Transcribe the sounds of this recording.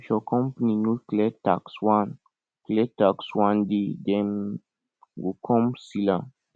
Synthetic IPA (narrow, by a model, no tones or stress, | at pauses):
ʃɔkɔ̃mpninulklɛta̰kswãn | klɛtakswãndid̪ɛn | ɡukʰɔ̃msilã